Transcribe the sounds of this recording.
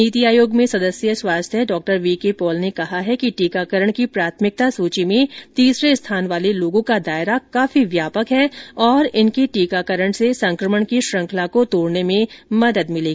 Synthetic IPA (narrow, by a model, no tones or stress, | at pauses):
niːt̪iaːjoːɡmẽsɐd̪əsjəswaːst̪ʰəɖɔːk̚ʈəɾʋiːkepɔːlnekɐɦaɦɛkiʈiːkakəɾəɽ̃kipɾaːt̪ʰmɪk̚t̪asuːt͡ʃimẽt̪iːsɾest̪ʰaːnʋaːleloːɡõkad̪aːɪɾakaːfiʋjaːpəkɦɛːɔːɾɪnkiʈiːkakəɾəɽ̃sesɐ̃ŋkɾəməɽ̃kiʃɾɐ̃ŋkʰlakot̪oːɽnemẽmɐd̪əd̪mɪleːɡi